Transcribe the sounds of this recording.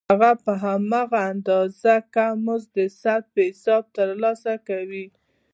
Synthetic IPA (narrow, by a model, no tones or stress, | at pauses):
aɣapəɦamɑɣaːnd̪ɑzakamʊzd̪əsat̪̚pəhɪsɑb̚t̪əɾlɑsakawi